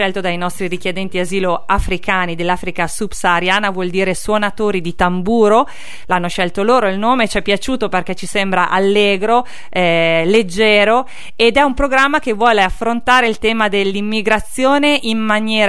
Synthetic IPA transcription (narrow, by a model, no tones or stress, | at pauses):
ɛlt̪od̪ajnɔst̪ɾiɾik̟jed̪ɛnt̪iaziːloafɾikaːnid̪elːaːfɾikasub̥saːɾjaːnavwɔld̪iːɾeswonat̪oːɾid̪it̪ambuːɾo | lanːoʃɛlt̪oloːɾoilnoːmet͡ʃɛpːjat͡ʃuːt̪operk̟ɛt͡ʃːisɛmbɾaʔalːeːɡɾo | ɛled͡ʒːɛːɾo | ed̪ɛumpɾoɡɾamːakevːwɔːleafːɾont̪aːɾeilt̪ɛːmad̪elːimːiɡɾat̪sːjoːneʔimːanjɛːɾ